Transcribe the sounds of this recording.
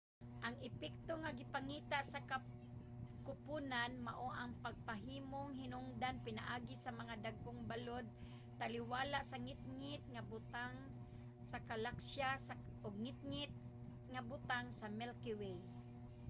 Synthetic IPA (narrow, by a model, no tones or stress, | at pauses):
ʔaŋɪpɛk̚t̪oŋaɡɪpaŋiːt̪aʔsaka | kʊpunanmaʔoʔaŋpaɡ̚paɦiːmoŋɦɪnʊŋd̪anpɪnaʔaːɡɪsamaŋad̪aɡ̚koŋbalod̪̚ | t̪alɪwaːlaʔsaŋɪt̪̚ŋɪt̪̚ŋabʊt̪aŋ | sakalakʃa | ʔoɡ̚ŋɪt̪̚ŋɪt̪̚ | ŋabʊt̪aŋsamɛlkɪwej